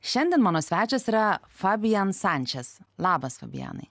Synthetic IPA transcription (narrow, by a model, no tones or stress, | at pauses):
ʃʲɛnʲd̪ʲɛnmɑːnoːsʲʋʲæːt͡ʃʲosiːɾɐ | fɑbʲɪjɐnsænʲt͡ʃʲɛslˠɑːbɐsfɐ̰bʲɪ̰jɑ̰ːnɐ̰ɪ